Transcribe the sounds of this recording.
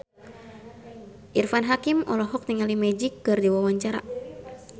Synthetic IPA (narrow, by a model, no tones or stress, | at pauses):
ʔirfanɦakimɔlɔɦɔk̚niŋalimɛd͡ʒikːɨrdiwawaɲt͡ʃaɾa̰